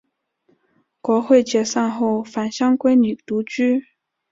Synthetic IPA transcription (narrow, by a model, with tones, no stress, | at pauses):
kwɔ˧˥xwe˥˩ɪt͡ɕjɛ˨˩sɑ˥˧ŋxo˥˩ʊfa˨˩nɕjɑ˥ŋkwe˥ɪny˨˩t̪u˧˥t͡ɕy˥